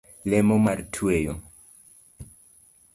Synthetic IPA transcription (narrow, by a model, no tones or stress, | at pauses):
lemomaɾtʰuejo